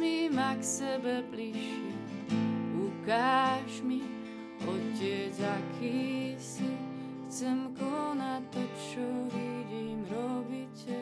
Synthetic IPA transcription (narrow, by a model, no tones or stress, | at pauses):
mimaksɛbɛpliʃi | ukaːʃmi | ocːɛzakʰisi | xt͡sɛmkonat̪ːɔt͡ʃɔviɟimɾɔbicʲɛ